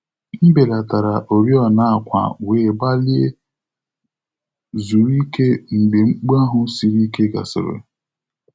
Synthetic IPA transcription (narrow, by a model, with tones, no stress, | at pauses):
m̩˦be˨la˨ta˨ɾa˨ʔo˨ɾjɔ˦na˦˨a˨kʷa̰˨we˨ba˦li˦e˦ | zu˨ɾi˦ke˦ŋ͡m̩˨ɡ͡be˨ŋ͡m̩˦k͡pu˦a˦ɦʊ˨˦si˨ɾi˦ke˦ɡa̰˨sɪ̰˨ɾɪ̰˨